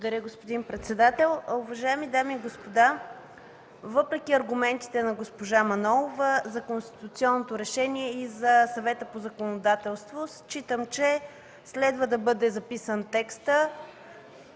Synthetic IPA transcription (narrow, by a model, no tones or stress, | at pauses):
d̪ɐɾʲəɡospod̪inpɾɛt̪sɛd̪at̪ɛlˠuvɐʒaɛmid̪amiːɡospod̪a | vəpɾɛkʲiɐɾɡumɛnt̪i̥t̪ɛnɐɡospoʒamɐnɔlˠovəzɐkonst̪i̥t̪ut̪siɔnːot̪oɾɛʃɛniɛizɐsɐvɛt̪əpozɐkonod̪at̪ɛlˠst̪vost͡ʃit̪əmt͡ʃɛ | slɛd̪vəd̪ɐbɤd̪ɛzɐpisənt̪ɛkst̪ə